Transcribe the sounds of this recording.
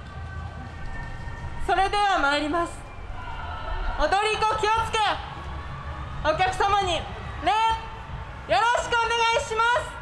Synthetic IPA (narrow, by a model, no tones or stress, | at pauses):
so̞ɾe̞d̪e̞βamaeɾʲimasɨ̥ | od̪o̞ɾʲiko̞kʲio̞t͡sɨ̥ke̞ | o̞kʲakɯ̟samaɲ̟i | ne | jo̞ɾo̞ɕi̥kɯ̟one̞ɡaiɕimasɨ̥